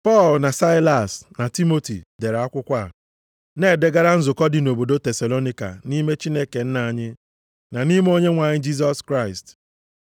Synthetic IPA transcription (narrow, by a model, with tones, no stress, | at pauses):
pɔ˦˨lna˨sa˦ɪ˦la˨sna˨ti˦mo˦tḭ˨de˨ɾa˨a˦kʷʊ˦kʷa˦˨ | ne˦˨de˦ɡa˦ɾa˦n̩˦zʊ˨kɔ˦dɪ˨no˨bo˨do˦te˨sa˨lo˦ni˦ka̰˨ni˦me˦t͡ʃi˦ne˦ke˨n̩˦na˨ɲɪ˦ | na˨ni˦m˦o˦ɲe˦ŋʷa˨ɲɪ˦d͡ʒi˦s̬ɔ˦skɾa˦˨ɪ˨st